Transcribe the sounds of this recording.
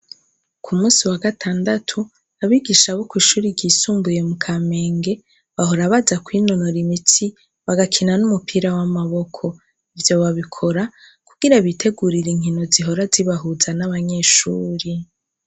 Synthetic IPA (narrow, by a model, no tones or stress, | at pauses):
kʰumuːsiwaɡatʰaːndatʰu | aβiɡiʃaβokwiːʃuːɾiɾɟiːsuːmbuje̞mukʰame̞ːŋɡe̞ | βaho̞ɾaβazakwiːno̞noɾimitʰi | βaɡakʰinanumupʰiɾawamaβo̞kʰo̞ | ivjo̞βaβikʰo̞ɾa | kuɡ̥iɾaβitʰe̞ɡuɾiɾiŋ̥hino̞ziɦo̞ɾaziβaɦuːzanaβaɲe̞ʃuːɾi